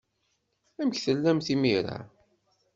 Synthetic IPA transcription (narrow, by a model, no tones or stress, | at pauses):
æməçθəlːæmθimiɾa̰